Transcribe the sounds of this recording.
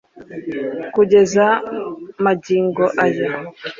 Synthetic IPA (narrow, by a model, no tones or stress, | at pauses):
kuɟe̞za | maɟiːŋɡoʔajo